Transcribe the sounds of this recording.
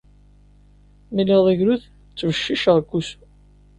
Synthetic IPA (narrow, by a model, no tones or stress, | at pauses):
milɪðˤəʝɾuð | t͡sːvəʃːiʃʁkːus